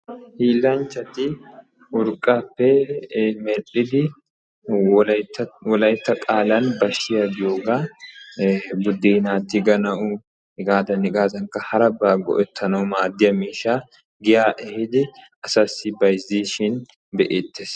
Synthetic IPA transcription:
hiːlːɐnt͡ʃːɐt̪ɪ | ʊɾkʼːaːpːɛmɛɾᶑɪd̪ɪ | wɔlɐjt̪ːɐkʼaːlɐnbɐʃːɪjɐɡ̪ɪjoːɡaː | bʊd̪ːiːnaːt̪ːɪɡɐnɐʔʊ | ɪɡaːd̪ɐnɪɡaːzɐŋkɐhɐɾɐbaːɡɔ̰ʔɛt̪ʰːɐnɐwʊmaːd̪ːɪjɐmiːʃaː | ɡɪjaːʔɛhɪd̪ɪʔɐsɐsːɪbɐjziːʃɪn | bɛʔeːt̪ːeːs

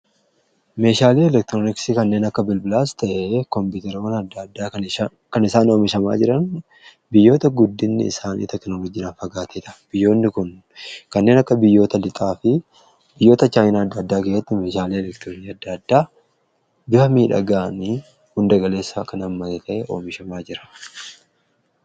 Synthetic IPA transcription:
me̞ːʃaːliːɛlɛkt̪ɾonɪksɪkɐnːe̞ːnɐkːɐbɪlbɪlaːst̪ɐʔekɔmpuːt̪ɛɾɐwɐnɐd̪ːɐd̪ːaː | kɐnɪsaːnoːmɪʃɐma̰ːd͡ʒɪɾɐn | bɪjːo̞ːt̪ɐɡʊd̪ːɪnːɪ̰ɪ̰saːnḭːt̪ɛknoːlɔd͡ʒiːnaːnfɐɡaːt̪ʰeːt̪ɐb̥ɪjːo̞ːnːɪkʊn | kɐnːe̞ːnɐkːɐbɪjːo̞ːt̪ɐlɪt̪ʼaːfɪ | b̥ɪjːo̞ːt̪ɐt͡ʃaːjnaɐd̪ːɐd̪ːaːkeːsːɐt̪ːɪmeːʃaːleːɛlɛkt̪ɪɾoːniɐd̪ːɐd̪ːaː | bɪhɐmiːᶑɐ̰ɡaːni | hʊnd̪ɐɡɐle̞ːsːɐkɐnɐmːɐt̪ɛt̪ɐʔeʔo̞ːmɪʃɐmaːd͡ʒɪɾɐ̥

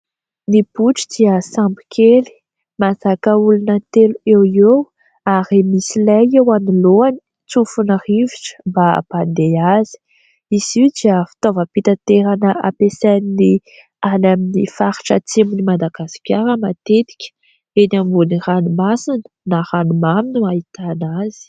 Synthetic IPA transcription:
nibuʈ͡ʂi̥d̪̥iəsampi̥kʲʰeli̥ | mazakəulunət̪eluewew | aɾimisilajewaniloani̥ | t͡sufunəriviʈ͡ʂə̥mbaband̪eazi̥ | izid͡ʒiafi̥t̪ovəpit̪at̪eɾanəʔapesanini | anaminifaɾi̥ʈ͡ʂət͡semunimad̪aɡasi̥kʲaɾəmat̪et̪i̥kʲə̥ | enambuniranumasinə̥naɾanumaminuait̪anaz̥i̥

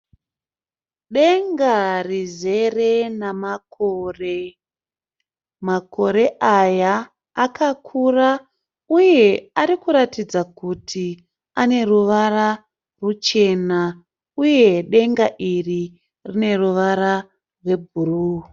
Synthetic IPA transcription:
ɗe̞ŋɡarize̞re̞namakore | mako̞ɾe̞ʔajaː | kʰakʰura | uje̞aɾikuɾatid͡zakutʰi | ane̞ruʋara | rut͡ʃe̞na | uje̞ɗe̞ŋɡaʔiri | rine̞ruʋaɾa | rwe̞bʱuruː

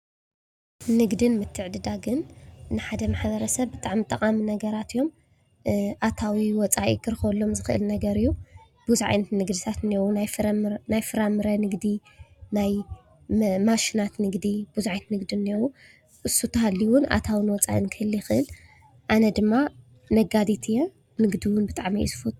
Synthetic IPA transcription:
nɨɡd̪ɨnmɨt̪ʰːɨʕd̪ɨd̪aɡɨnːɨħad̪ɐmaħbɐɾɐsɐβbɨt̪ʼaʕmit̪ʼɐqʼaminɐɡɐɾat̪ijo̞m | ʔat̪ʰawiwɔt͡sʼaʔḭkʰɨɾɨxlːo̞mzɨxɨʔɨ̰lnɐɡɐɾijːu | b̥uzuʕa̰jnt̪nɨɡd̪ɨt̪ʰat̪newunajfɾnajfɨɾamɨɾɐnɨɡd̪i | naj | maʃinat̪nɨɡd̪ib̥uzʕajt̪nɨɡd̪inːewu | ʔɨsːut̪ʰːɐhalːiwʊna̰t̪ʰawinwɔt͡sʼa̰ʔinkʰɨɨlːjɪxɨʔɨl | ʔanɐd̪ɨmːa | nɐɡad̪it̪ʰijɐ | nɨɡd̪iwʊnbɨt̪ʼaʕmḭjṵsɨ̥fut̪ʼ

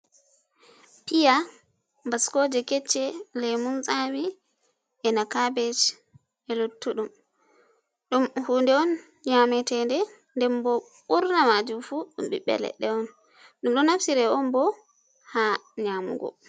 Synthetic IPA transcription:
pija | mbaskɔd͡ʒɛkɛt͡ʃːɛlɛmumsami | ɛnakabɛt͡ʃ | ɛlotːuɗum | ɗumhuːndɛɔn | ɲamɛtɛndɛ | ndɛmbɔ | ɓuɾnamad͡ʒumfuɗṵmɓḭɓɛ̰lɛ̰ɗɛɔn | ɗumɗɔnafsiɾɛɔnbɔ | haɲamṵɡɔ̰

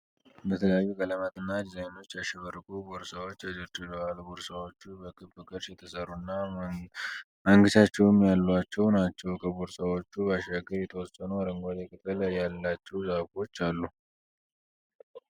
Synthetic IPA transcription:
bət̪ʰələjajːuɡələmat̪ɨnːad̪izajno̞t͡ʃːjaʃɛβərkʼuboɾsawot͡ʃːad͡ʒɨɾt͡ʃʼɪləwalboɾsawot͡ʃːubəkʰʼɨbɨkʼɨɾsjɛt̪ʰəsərːunːa | məŋɡɨʃat͡ʃːɛwɨmjalːat͡ʃːɛwnat͡ʃːɛwkʰəboɾsawo̞t͡ʃːubəaʃaɡəɾjɛt̪ʰəwɔsʼːənuɾəŋɡʷad̪ekʼɨt̪ʰʼɨljalːat͡ʃːɛwzafo̞t͡ʃːalːu

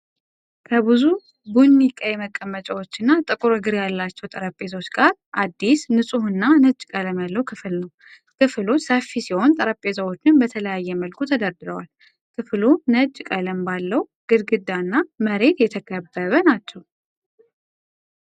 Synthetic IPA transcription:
kʰəβɨzu | bunːikʼajɛməkʼːəmːət͡ʃʼawot͡ʃːɪnːat̪ʼɨkʼuɾɨɡɨɾjalːat͡ʃːɛwt̪ʼəɾəpʼːe̞t̪ʰo̞t͡ʃːɡaɾʔad̪ːisnɨsʼuhɨnːanəd͡ʒʼkʼələmjalːəwkʰɨfɨlnəw | kʰɨflosəfːisiho̞nt̪ʼəɾəpʼːe̞səwo̞t͡ʃːɪnbət̪ʰələjajːɛməlkʰut̪ʰəd̪əɾd̪ɨɾəwal | kʰɨflunəd͡ʒʼkʼələmbalːəwɡ̥ɨɾɡɨd̪ːanːaməɾe̞t̪jɛt̪ʰəkʰəbːəβənat͡ʃːɛw

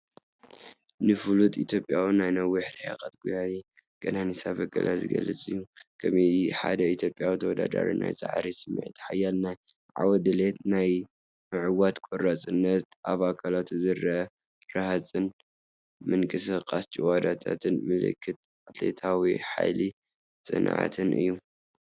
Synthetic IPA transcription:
nɨfulut̪ʼit̪ʰjo̞pʼjawinajnɐwiħɾihakʼat̪̚ɡujaji | ɡʼɐnanisaβɐɡɐ̰lʔazɨɡɐ̰lːɐt͡sʼɨjːukʰɐmiħa̰d̪ɐit̪ʰjo̞pʼːjawit̪ʰɐwɔd̪a̰d̪a̰ɾḭna̰jt͡sʼa̰ʕɾisɨmːɨ̰ʕit̪ħajalnaj | ʕa̰wɐd̪ɨlet̪naj | mɨʕɨwat̪kʼoɾat͡sʼɨnːɐt̪̚ʔaβakʰalat̪zɨɾɐ | ɾahat͡sʼɨn | mɨŋkʼɨsɨqʼast͡ʃʼiwad̪at̪ʰa̰t̪ʰɨnmɨlɨ̰kʰːɨt̪̚ | at̪ʰlḛt̪ʰawiħa̰jli | t͡sʼɨnʕa̰t̪ʰɨnʔɨ̰jːu

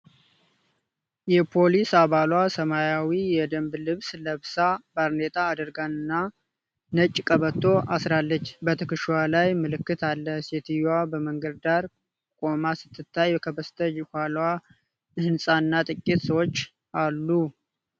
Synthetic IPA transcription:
jɛpʰo̞lisaβalwasəmajawijɛd̪əmblɨβsləβsabaɾnet̪ʼaːd̪əɾɡanɨnːa | nət͡ʃʼːkʼəβət̪ʰːo̞ʔasɾalːət͡ʃːbət̪ʰɨkɨʃwalajmɨlɨkːɨt̪ʰalːəsɛt̪ʰijwabəməŋɡəd̪d̪aɾ | kʼomasɨ̥t̪ʰːɨt̪ʰːajkʰəbəst̪ʰəjɪhʷalwa | ɨhɨnsʼaɨnːat̪ʼɨkʼːit̪səwot͡ʃː | alːu

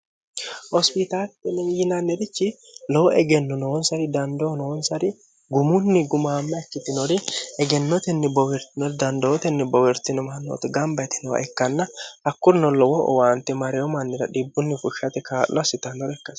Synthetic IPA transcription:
hɔspɪt̪alt̪ɛnɛjɪnɐnːɛɾɪt͡ʃːɪ | lɔwɔɛɡɛnːʊnɔwɔnsɐɾɪd̪ɐnd̪onɔwɔnsɐɾɪ | ɡʊmʊnːɪɡʊmaːmːɛɐkːɪt̪ɪnɔɾɪɛɡɛnːɔt̪ɛnːɛbɔwɛɾt̪ɪnɔd̪ɐnd̪ɔɔt̪ɛnːɪbɔwɛɾt̪ɪnɔmɐnːɔ̰t̪ɛɡɐmbɐt̪ɪ̥nɔwɐ̰ʔɛkːɐnːɐhɐkːʊɾnɔlɔwɔ̰waːnt̪ɛmɐɾɛjɔmɐnːɪɾɐᶑɪbːʊnːɪfʊʃɐt̪ɛkaːlɔɐsɪt̪ɐnːɔɾɛkːɐs

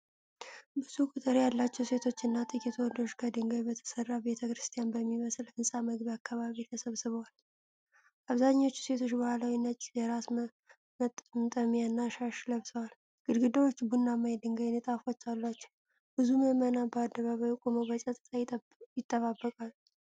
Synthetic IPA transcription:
bɨz̥ukʼut̪ʼɨɾjalːat͡ʃːɛwse̞t̪ʰo̞t͡ʃːɨnːat̪ʼɨkʼit̪ʰwɔd̪oʃkʰəd̪ɨŋɡəjbət̪ʰə̥sərːabe̞t̪ʰəkɾɨst̪ʰijanbəmːiməslɨnsʼaməɡβiakʰːaβaβit̪ʰəsəβsɨβəwal | ʔaβzaɲːo̞t͡ʃːu̥se̞t̪ʰo̞t͡ʃːbəhalawinət͡ʃʼːjɛɾas | mət̪ʼmt̪ʼəmjanːaʃaʃləβsʼəwal | ɡ̥ɨd̪ɡɨd̪əwot͡ʃːbunːamajd̪ɨŋɡajnet̪ʼafot͡ʃːalːat͡ʃːɛw | bɨzuməmənabəad̪ːəβaβajkʼomoβət͡ʃʼət̪ʼt̪ʼaj | jɪt̪ʼːəβabːəkʼal

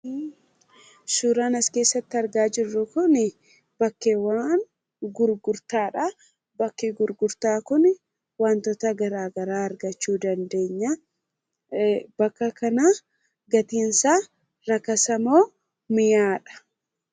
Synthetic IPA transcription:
suːɾaːnɐske̞ːsːɐt̪ːɪɐɾɡaːd͡ʒɪrːʊkʊn | bɐkːewaːn | ɡʊɾɡʊɾt̪aːᶑɐ | bɐkːeɡʊɾɡʊɾt̪aːkʊn | waːnt̪ɔt̪ɐɡɐɾaːɡɐɾaːɐɾɡɐt͡ʃːuːd̪ɐnd̪e̞ːɲːɐ | bɐkːɐkɐna | ɡɐt̪iːnsaː | ɾɐkːɐsɐmoː | mɪjaːᶑɐ̥

